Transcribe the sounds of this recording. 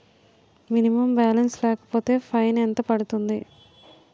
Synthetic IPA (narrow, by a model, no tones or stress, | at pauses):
minimɐmbaːlɐnslɛːkɐ̥po̞ːt̪e̞ːpʰɐjnent̪ɐpɐɽut̪und̪i